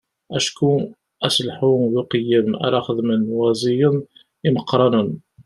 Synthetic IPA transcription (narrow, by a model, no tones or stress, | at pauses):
ʔæʃku | æslħuðuqəjːəma̰ɾaxəðmənwæzˤijən | iməqːɾˤɑnən